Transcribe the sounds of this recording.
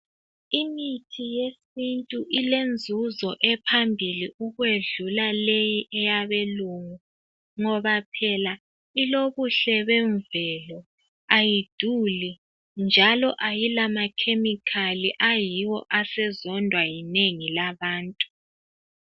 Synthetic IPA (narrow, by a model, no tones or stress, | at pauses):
imitʰijesintʼuʔilend͡zʱuzɔʔɛpʰambʱiliʔuɣweɮulalejiʔɛjaβeluŋu | ŋɔβapʰɛla | iloβuɬɛβɛɱvɛlɔ | ajid̥ʱuli | nd͡ʒʱalɔʔajilamakʰemikʰaliʔajiwɔʔasɛzɔndʱwajineŋilaβaːntʼu̥